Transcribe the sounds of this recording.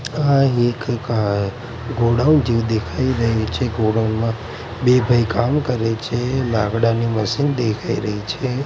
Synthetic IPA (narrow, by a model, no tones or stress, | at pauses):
ãek | ɡoɽaund͡ʒiʋd̪ekʰaiɾəɦet͡ʃʰeɡoɽanmã | bebʱəjkamkəɾet͡ʃʰelaɡɽaniməsind̪ekʰaiɾəɦit͡ʃʰe